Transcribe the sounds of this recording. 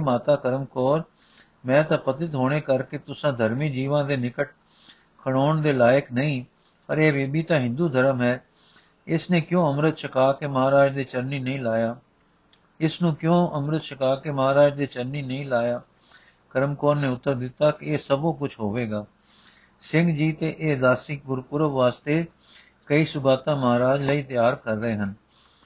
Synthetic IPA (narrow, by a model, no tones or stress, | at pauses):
maːt̪aːkəɾəmkɔːɾ | mɛ̃ːt̪ãːpət̪ɪt̪ɦoːɽ̃eːkəɾkeːt̪ʊsãːd̪ʱəɾmiːd͡ʒiːʋãːd̪eːnɪkəʈ̚ | kʰəɽ̃oːɳd̪eːlaːjəknəĩː | pəɾeːʋeːbiːt̪ãːɦɪ̃nd̪uːd̪ʱəɾəmɦɛː | ɪsneːkjõːəmɾət̪ʃəkaːkeːməɦaːɾaːd͡ʒd̪eːt͡ʃəɾniːnəĩːlaːjaː | ɪsnũːkjõːʔəmɾət̪ʃʰəkaːkeməɦaːɾaːd͡ʒd̪eːt͡ʃəɾniːnəĩːlaːjaː | kəɾəmkɔːnːeːʊt̪ːəɾd̪ɪt̪ːaːkɪeːsəbõːkʊt͡ʃʰɦoːʋeːɡaː | sɪŋɡd͡ʒiːt̪eːʔeːd̪aːsɪk̚ɡʊɾpʊɾəʋːaːst̪eː | kəiːsʊbaːt̪ãːməɦaːɾaːd͡ʒləiːt̪jaːɾkəɾːəɦeːɦən